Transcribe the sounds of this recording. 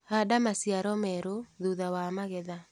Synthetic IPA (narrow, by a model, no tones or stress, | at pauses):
hadamasjaɾɔmɛɾoðuðawamaɣɛða